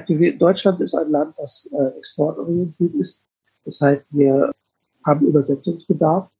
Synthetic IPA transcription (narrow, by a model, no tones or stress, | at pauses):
ak̚tividɔʏt͡ʃlantɪsta̰ɪnlant̚d̥asɛːʔɛkspʰɔɐtʔɔ̰ʁiɛntʰiːɐtɪst | d̥ashaɪstv̥iːɐ | haːbm̩y̰ːbɐzɛt͡sʊŋsb̥ədaɐf